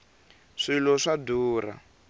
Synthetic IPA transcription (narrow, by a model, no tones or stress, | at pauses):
ʂilɔʂaduːra̰